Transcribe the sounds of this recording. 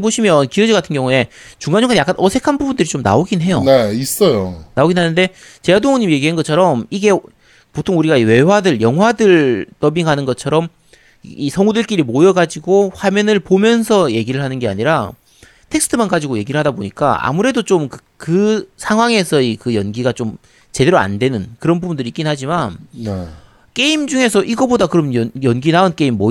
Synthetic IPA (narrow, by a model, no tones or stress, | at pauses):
boɕʰimjʌnkiʌd͡ʑiɡatʰɯnɡjʌŋue̞ | t͡ɕuŋɡanɲoŋɡanjak͈anʔʌsʰe̞kʰanbubundɯɾit͡ɕomna̰oɡinɦe̞jo̰neis͈ʌjonaoɡinɦanɯnde̞ | t͡ɕe̞adoŋʌɲimije̞ɡiɦanɡʌt͡ɕʰʌɾʌmiɡe̞ | potʰoŋuɾiɡaiwe̞wadɯɭjʌŋɦwadɯɭt͈ʌbiŋɦanɯnɡʌt͡ɕʰʌɾʌm | isʰʌŋudɯɭk͈iɾimojʌɡad͡ʑiɡoɸwamjʌnɯɭpomjʌnsʰʌje̞ɡiɾɯɭɦanɯnɡe̞a̰ɲiɾa | tʰe̞ksʰɯtʰɯmanɡad͡ʑiɡoje̞ɡiɾɯɭɦadaboɲik͈a̰a̰muɾe̞dot͡ɕomk | kɯsʰaŋɦwaŋe̞sʰʌikɯjʌnɡiɡat͡ɕom | t͡ɕe̞de̞ɾoa̰ndwe̞nɯnkɯɾʌnbubundɯɾik͈inɦad͡ʑiman | k͈e̞imd͡ʑuŋe̞s̬ʰʌʔiɡʌbodakɯɾʌmjʌjʌnɡinaonk͈e̞imːo